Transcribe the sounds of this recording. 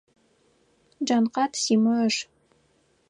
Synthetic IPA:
d͡ʒanqɑt̪siːmɐʂ

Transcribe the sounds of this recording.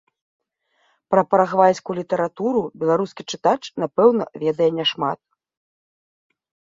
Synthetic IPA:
pɾɐpɾɐɣvajʲsʲkulʲit̪ɐɾat̪uɾubʲɛlˠaɾuskʲit͡ʂɨt̪at͡ʂnapɛwnɐ̰vʲɛd̪ɐjɛnʲɛʂma̰t̪̚

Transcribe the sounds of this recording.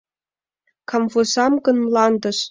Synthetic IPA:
kʰɑmvusɑmɡə̆nlɑnd̪ə̆ʃ

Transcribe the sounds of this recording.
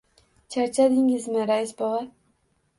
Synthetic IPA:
t͡ʃʰaɾt͡ʃʰad̪ɪŋɪzmɪɾajɪsbɒʁa

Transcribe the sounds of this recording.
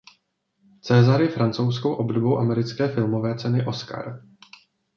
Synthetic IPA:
t͡sɛːzaɾjɛfɾant͡sows̬kowʔo̞bdobowʔamɛɾɪt͡skɛːfɪlmo̞vɛːt͡sɛnɪʔo̞ska̰ɾ

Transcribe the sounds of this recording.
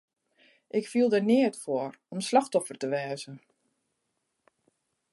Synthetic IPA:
ʔɪkfilˠdənɪətfoəɾɔmslɑxtɔfərtəʋɛːzən

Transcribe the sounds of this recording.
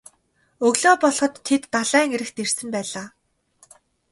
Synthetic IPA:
ɵɣɮoːpɔɮχɞ̆t̪ʰːet̪ːaɮæːŋeɾɘ̆xt̪ersɘ̆mpæːɮaː

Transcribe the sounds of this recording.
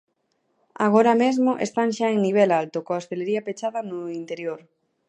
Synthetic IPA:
a̰ɣoɾamezmoʔḛst̪aŋʃaeŋniβ̞ɛlalt̪okoaost̪eleɾiɐpet͡ʃaðɐnʊint̪eɾjoɾ

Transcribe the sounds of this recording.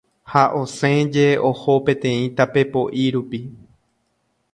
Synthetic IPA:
haʔo̞sẽd͡ʒe̞oho̞pẽ̞t̪ẽ̞ĩt̪ape̞po̞ʔiɾupi

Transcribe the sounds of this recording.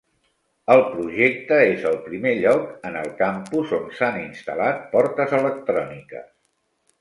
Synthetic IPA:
əlˠpɾuʒek̚t̪əezəlˠpɾimeʎɔkənəlˠkampuzonsaninst̪ə̰lat̪̚pɔɾt̪əzələk̚t̪ɾɔnikə̰s

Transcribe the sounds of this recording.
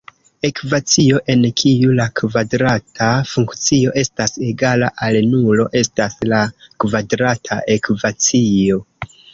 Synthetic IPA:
e̞kvat͡sio̞ʔe̞nkʰijulakvadɾatʰafuŋkt͡sio̞ʔe̞stase̞ɡalaʔalnulo̞ʔe̞staslakvadɾatʰa̰ʔekvat͡sio̞

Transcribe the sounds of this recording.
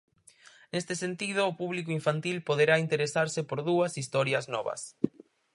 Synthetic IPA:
nest̪ɪsent̪ið̞ʊːpuβlikʊiɱfant̪ilpoðeɾaint̪eɾesaɾsɪpoɾðuɐsist̪ɔɾjɐznɔβɐ̰s

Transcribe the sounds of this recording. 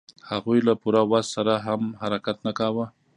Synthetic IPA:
haɣujlapuɾawassaɾaɦamhaɾakat̪nakɑwə

